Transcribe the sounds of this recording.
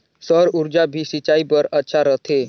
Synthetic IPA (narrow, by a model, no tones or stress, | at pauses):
səɾuɾd͡ʒabʱisit͡ʃaibəɾətːʃʰaɾət̪ʰe